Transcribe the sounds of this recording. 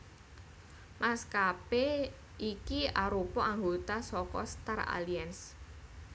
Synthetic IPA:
mʔaskape | ʔikiaɾupɔʔaŋɡot̪asɔkɔst̪ara̰liɛns

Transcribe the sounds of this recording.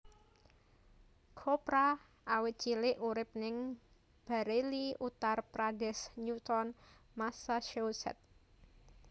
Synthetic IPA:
kʰopɾa | awɪt̪̚t͡ʃilɪʔuɾɪp̚nɪŋ | b̥a̤ɾeliut̪arpɾadɛsɲut̪ɔnmasaʃowsɛ̰t̪̚

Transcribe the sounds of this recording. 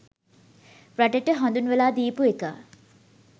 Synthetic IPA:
praʈəʈəɦand̪unʋelaːd̪iːpueka̰

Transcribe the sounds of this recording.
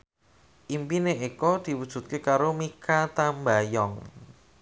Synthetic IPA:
ʔimpineʔekɔd̪̥i̤wud̥ʒ̥ṳt̪̚kekaɾomikat̪ambajɔŋ

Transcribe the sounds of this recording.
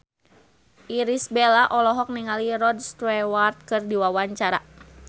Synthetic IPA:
ʔiɾisbelaʔɔlɔɦɔk̚niŋaliɾɔdst̪ɾɛwart̪̚kɨrdiwawaɲt͡ʃaɾa

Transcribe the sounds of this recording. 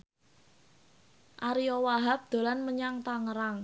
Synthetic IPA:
ʔaɾijɔwaɦap̚d̪̥o̤lanməɲaŋt̪aŋəɾaŋ

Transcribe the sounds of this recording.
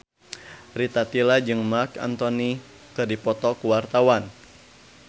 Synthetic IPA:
rit̪at̪ilad͡ʒɨŋmarka̰nt̪ɔni | kɨdipɔt̪ɔkuwart̪awan

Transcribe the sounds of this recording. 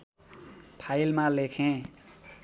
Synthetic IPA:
pʰajlmãlekʰẽ

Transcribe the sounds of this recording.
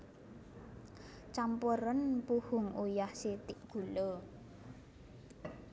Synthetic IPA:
t͡ʃampuɾənpuhʊŋujahsit̪ɪʔɡ̥ṳlo

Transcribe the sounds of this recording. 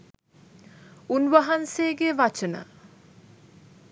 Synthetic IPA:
unʋəɦanseːɡeʋat͡ʃənə̰

